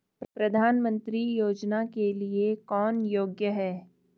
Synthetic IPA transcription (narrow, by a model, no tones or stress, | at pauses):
ppɾɐd̪ʱaːnmə̃nt̪ɾijoːd͡ʒnakeliekɔːnjoːɡjəɦɛː